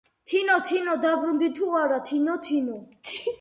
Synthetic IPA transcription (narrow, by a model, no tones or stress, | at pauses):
t̪ʰinɔt̪ʰinɔd̪abɾund̪it̪ʰuaɾat̪ʰinɔt̪ʰinɔ